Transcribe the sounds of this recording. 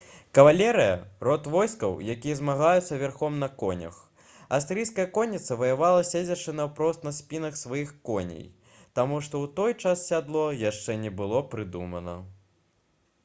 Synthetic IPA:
kɐvalʲɛɾɨjɐ̰rɔt̪vɔjskɐwjakʲijɐzmaɣajut̪sːɐvʲɛrxɔmnɐkɔnʲɐ̰x | ɐ̰wst̪ɾɨjskɐjɛɐkɔnʲːit̪sɐvɐjavalˠɐsʲed͡zʲɐt͡ʂɨnɐwpɾɔst̪nɐsʲpʲinɐxsvajixkɔnʲḛj | t̪amuʂt̪ɔwt̪ɔjt͡ʂasːʲad̪lˠɔjaʂt͡ʂɛnʲɛbɨlˠɔpɾɨd̪umɐnɐ

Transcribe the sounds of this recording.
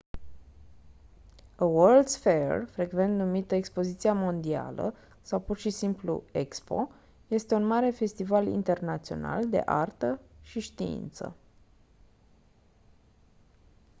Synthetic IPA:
əwərld̪sfeḛrfɾe̞ɡve̞nt̪numit̪əekspo̞zit̪siamo̞nd̪ia̰lə̰ | sawpurʃisimplṵe̞kspo̞̰ | je̞st̪eunmaɾe̞fe̞st̪ivalḭnt̪e̞rnat̪sio̞̰na̰ld̪e̞̰ʔa̰rt̪əʃiʃt̪iḭnt̪sə̰

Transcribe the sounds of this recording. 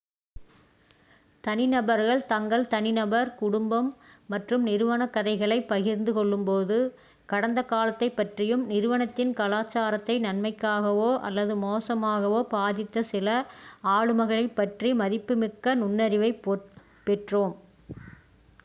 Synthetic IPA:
t̪ɐnɪnɐbɐɾɣɐɭt̪ɐŋɡɐɭt̪ɐnɪnɐbɐɾkʊɽʊmbɐmːɐʈrɯmnɪɾɯʋɐnɐkːɐðɐɪɣɐɭɐɪpːɐɣɪɾnd̪ɯkɔɭːɯmpoːðɯ | kɐɽɐnd̪ɐkaːlɐt̪ːɐɪpːɐʈrɪjɯmnɪɾɯʋɐɳɐt̪ːɪnkɐlaːt͡ʃːaːɾɐt̪ːɐɪnɐnmɐɪkːaːɣɐʋoːʔɐ̰lːɐðɯmoːsɐmaːɣɐʋoːpaːðɪt̪ːɐsɪlɐaːɻɯmɐɣɐɭɐɪpːɐʈrimɐðɪpːɯmɪkːɐnʊnːɐɾɪʋɐɪpː | pɛʈroːm

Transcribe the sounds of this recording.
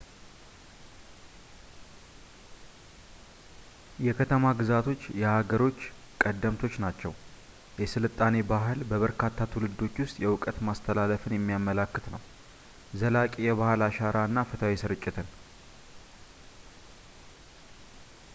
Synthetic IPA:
jɛkʰət̪ʰəmaɡɨzat̪ʰo̞t͡ʃːjɛhaɡəɾo̞t͡ʃː | kʼəd̪ːəmt̪ʰo̞t͡ʃːnat͡ʃːɛw | jɛsɨlɨt̪ʼːane̞baɦɨlbəβəɾkʰat̪ʰːat̪ʰulɨd̪ːo̞t͡ʃːwʊst̪ʼjɛwʊkʼət̪mast̪ʰəlaləfɨnjɛmːijamːəlakːɨt̪nəw | zəlakʼijɛβahlaʃaɾanːafɨt̪ʰawisɨɾɨt͡ʃʼːɪt̪ʰɨn

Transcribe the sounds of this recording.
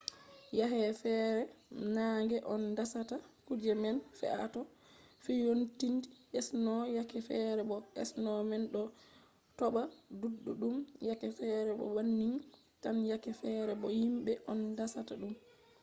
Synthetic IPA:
jaɦɛfɛɾɛnaŋɡɛʔɔndasatakud͡ʒɛmɛnfɛ̰ʔa̰tɔfijontindiʔɛsnɔjakɛfɛɾɛɓɔɛ̰snɔmɛnɗɔ | tɔɓaduɗːuɗumjakɛfɛɾɛɓɔ̰wanːiŋ | tanjakɛfɛɾɛɓɔhimɓɛʔɔndasataɗum

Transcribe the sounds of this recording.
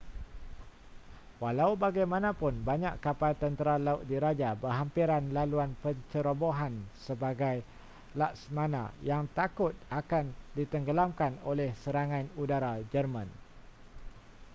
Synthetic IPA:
walaubaɡajmãnãpʊnbaɲaʔkapalt̪ənt̪əɾalaʊt̪̚diɾad͡ʒabəɦampiɾanlaluanpət͡ʃəɾoboɦansəbaɡaj | laʔsmãna̰jaŋt̪akʊt̪̚akandit̪əŋɡəlamkanolɛhsəɾaŋãnudaɾad͡ʒərmãn

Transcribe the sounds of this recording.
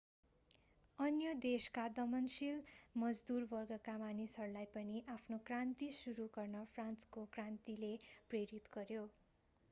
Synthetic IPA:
ʌnjʌd̪eskad̪ʌmʌnsilmʌd͡zd̪urbʌrɡʌkamanisʌɾulajpʌniʔapʰnokrant̪isuɾuɡʌrnʌpʰranskokrant̪ilepreɾit̪ɡʌɾjo

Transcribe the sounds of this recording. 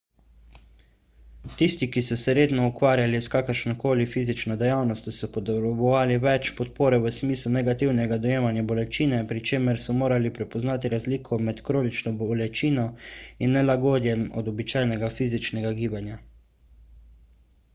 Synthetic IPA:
t̪ist̪ikisɔsɛɾeːd̪nɔukʋaːɾjaliskakəɾʃnɔkoːlifiːzit͡ʃnɔd̪ɛjawnɔst̪jɔsɔpɔt̪ɛbɔʋaːliʋɛt͡ʃpɔt̪̚poːɾɛʋəsmiːslunɛɡat̪iwnɛɡad̪ɔjeːmanjabɔlɛt͡ʃiːnɛpɾit͡ʃeːmɛɾsɔmoːɾalipɾɛpɔznaːt̪iɾazliːkʰɔmɛt̪kɾoːnit͡ʃnɔbɔɔlɛt͡ʃiːnɔinːɛlaɡoːd̪jɛmɔ̰d̪ɔbit͡ʃaːjnɛɡafiːzit͡ʃnɛɡaɡiːbanja

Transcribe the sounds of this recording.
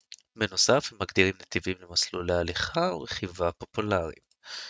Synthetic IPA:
meno̞safhemːaɡd̪iʁimnat̪ivimlemaslulealiχao̰ʁeχivapo̞pulaʁḭm

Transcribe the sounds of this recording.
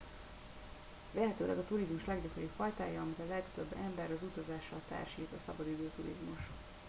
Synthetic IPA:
vɛɦɛt̪øːlɛ̰ɡɒt̪uɾizmuʃlɛɡɟɒkoɾipfɒjt̪a̰ːjɒɒmit̪ɒlɛkt̪øbːɛmbɛɾɒzut̪ɒzaːʃɒlt̪a̰ːrʃiːt̪ɒsɒbɒd̪id̪øːt̪uɾḭzmuʃ

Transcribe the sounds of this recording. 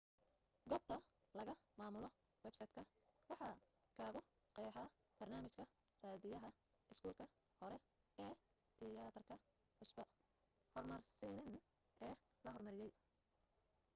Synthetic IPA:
ɡɔːb̚t̪ʰɐ | lɐɣɐmaːmʊlɔ | wɛbsɐjt̪kʰɐ | wɑħɑ | kʰaːɣɔ | qɛːħa | b̥ɐrnaːmɪt͡ʃkʰɐ | raːðɪjɐɦɐ | ɪskʰuːlkʰɐ | hɔɾɛ | ɛː | t̪ʰɪjaːt̪ʰɐrkʰɐ | ħʊsbɐ | hɔrmɐrsɛnɪn | ʔɛː | lɐɦɔrmɐɾɪjɛj

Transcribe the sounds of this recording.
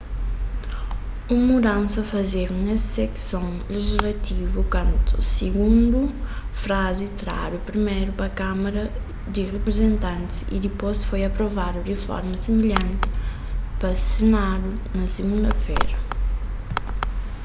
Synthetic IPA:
ummud̪ɐ̃nsɐfɐzeɾunesseksõŋleʒizlɐt̪ivukwɐ̃nt̪usiɣũnd̪ufɾazit̪ɾa̰ɾupɾimejɾupɐkamɐɾɐ | d̪iʁepɾezẽnt̪ɐ̃nt̪sḭd̪ipojsfojɐpɾovad̪uʁefɔ̰ɾmɐsimiʎɐ̃nt̪ɪ̥ | pɐsɪnad̪u | nɐsiɡũnd̪ɐfejɾɐ

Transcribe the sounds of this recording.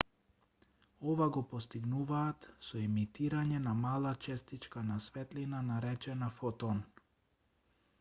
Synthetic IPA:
ɔvaɡɔpɔst̪iɡnuvaːt̪sɔɛmit̪iɾaɲɛnamalˠat͡ʃɛst̪it͡ʃkanasvɛt̪linanaɾɛt͡ʃɛnafɔt̪ɔn

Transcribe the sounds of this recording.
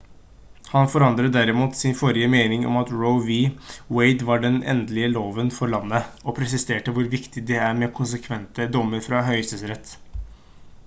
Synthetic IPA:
hɑnfɔɾɑnd̪ɾəd̪æɾɪmuːt̪sɪnfɔɾɪəmeːnɪŋɔ̰mɑt̪ɹoʊʋiweɪd̪ʋɑɖɛnɛ̰nd̪lɪəloːʋənfɔɾɭɑnːəɔpʰɾɛsɪst̪eːʈəʋʊɾʋɪkt̪ɪd̪ɛæɾmɛkʰʊns̬əkʰʋɛnt̪əd̪ɔmːəɾfɾɑɦœʏsəsɾɛt̪ː

